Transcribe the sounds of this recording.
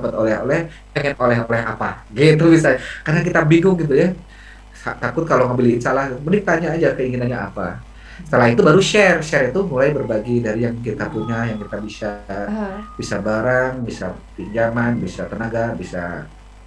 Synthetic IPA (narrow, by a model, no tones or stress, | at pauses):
pət̪olɛɦo̰lɛh | pɛŋɛnolɛɦolɛɦa̰pa | ɡit̪ubisakarnakit̪abiɡʊŋɡit̪uja | at̪akʊt̪̚kaloŋambiliɪnsalahbənɪk̚t̪aɲaːd͡ʒakəiŋinanɲaʔa̰pa̰ | sə̥t̪əlaɦit̪ubaɾuʃɛrʃɛrit̪umulajbərbaɡidaɾijaŋkit̪apuɲajaŋkit̪abisa | b̥isabaɾaŋbisa̰piɲd͡ʒamanbisat̪ənaɡabisa̰